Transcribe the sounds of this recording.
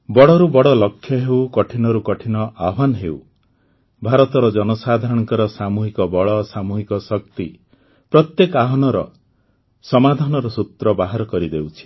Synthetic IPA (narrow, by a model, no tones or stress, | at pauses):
bɔɽɔɾubɔɽɔlɔkʰːjɔɦewkɔʈʰinɔɾukɔʈʰinɔʔabʱanɔɦew | bʱaɾɔt̪ɔɾɔd͡ʒɔnɔsad̪ʱaɾɔɽɔŋkɔɾɔsamuɦikɔbɔɭɔsamuɦikɔsɔk̚t̪i | pɾɔt̪jekaɦɔnɔɾɔ | sɔmad̪ʱanɔɾɔsut̪ɾɔbaɦaɾɔkɔɾid̪ewt͡ʃʰi̥